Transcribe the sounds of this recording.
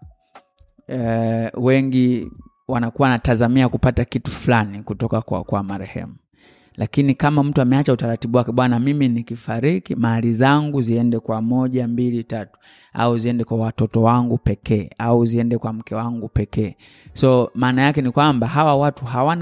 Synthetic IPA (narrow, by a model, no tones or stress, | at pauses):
ɛwɛŋɡi | wanakuwanatazamiakupatakitufulanikutɔkakwa̰kwamaɾɛhɛ̰mu | lʔakinikamam̩tuamɛat͡ʃautaɾatiɓuwakɛɓwanamiminikifaɾikimalizaŋɡuziɛndɛkwamɔʄambilitatu̥ | a̰uziɛndɛkwawatɔtɔwaŋɡupɛkɛːauziɛndɛkwam̩kɛwaŋɡupɛkɛː | sɔmaːnajakɛnikwambahawawatuɦawan